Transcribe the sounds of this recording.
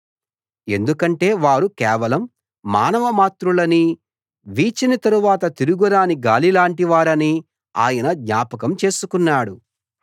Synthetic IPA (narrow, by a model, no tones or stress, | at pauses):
e̞̰nd̪ukɐɳʈe̞ːʋaːɾukɛːʋɐlɐmː | a̰ːnɐʋɐmaːt̪ɾulɐni | ʋiːt͡ʃinɐt̪ɐɾuʋaːt̪ɐt̪iɾuɡuɾaːniɡaːlilaːɳʈiʋaːɾɐni | a̰ːjɐnɐd̪ɲaːpɐk̬ɐmt͡ʃe̞ːsukunːaːɽu